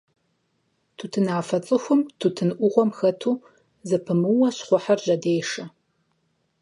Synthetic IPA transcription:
tʰutʰɨnaːfɐt͡sʼɨxʷʊmtʰutʰɨnʔʷʊʁʷɔmxɐtʰuː | zɐpʰɨmɨwɐɕχʷɔħarʒɐdeːʂɐ

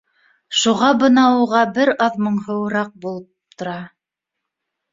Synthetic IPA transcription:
ʃuʁɑbɤ̆nɑuʁɑbɘɾɑðmɤɴhɤ̆wɤɾɑq̚bulˠɤp̚t̪ŏɾɑ

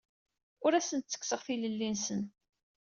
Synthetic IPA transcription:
ʊɾæsənt̪t͡sːə̥kːsəʁθiləlːinsən

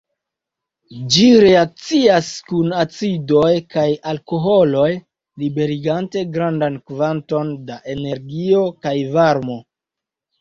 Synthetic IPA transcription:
d͡ʒiɾe̞ak̚t͡siaskunat͡sido̞jkajalko̞ɦo̞lo̞j | libe̞ɾiɡante̞ɡɾandankvanto̞ndaʔe̞ne̞ɾɡio̞kajvaɾmo̞

